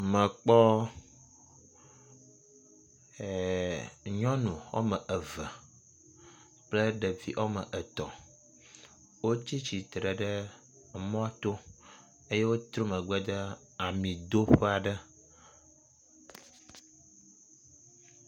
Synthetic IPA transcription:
mə̃˨k͡pɔ˦˨ | ɲɔ̃˦nũ˨wɔ̰˦mə˨ʔə˨və˨ | k͡plə˦ɖə˨vḭ˦ʔo˦mə̰˨ʔə˨t̪ɔ˨ | wo˦t͡ɕi˦t͡ɕi˨t̪ɾə˨ɖə˦˨ | mɔ̃˦a˦t̪o˦ | e˦je˦wo˦t̪ɾo˦mə˨ɡ͡bə˦d̪ə˦ | a˨mĩ˨d̪o˦ɸə˦a˨ɖə˦

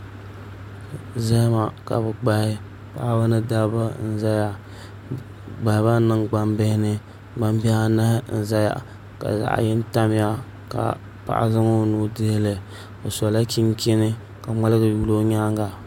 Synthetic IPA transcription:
za˦ma˨ka̰˨bɨ˨ɡ͡ba˨hɪ˦ | pa˦˨ʔa˦bɨ˦nɨ˦da˦ba˦n̩˦za˦ja˦ | ɡ͡ba˨ɪ˨˦ba˦nɨ˦ŋɡ͡ba˦mbɪ˦hɪ˦nɨ˦ | ba˦mbi˦a˦na˦hn̩˨za˦ja̰˨ | ka̰˨za̰˨ʔa̰˨jɪ˦n˦ta˦m˦ja˦ | ka̰˨ | pa̰˨ʔa̰˨zɨ˦ŋo˦no˦de˦lɨ˨ | o˨sɔ˨la˦ki˦nki˦nɨ˦ | ka˨ŋ͡ma˦lɨ˦ɡɨ˨ju˦lo˦ɲaː˦ŋɡa˨

